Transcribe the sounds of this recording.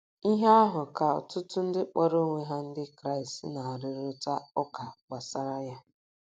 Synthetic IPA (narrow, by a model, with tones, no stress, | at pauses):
i˦ɦe˦a˦ɦʊ˨ka˨ɔ̰˨tʊ˦tʊ˦n̩˦dɪ˦k͡pa˦ɾo˦ŋʷe˦ɦa˦n̩˦dɪ˦kɾa˦˨i˨stna˨ɾɪ˦ɾʊ˦ta˦ɔ˦ka˨ɡ͡ba˨sa˦ɾa˦ja˦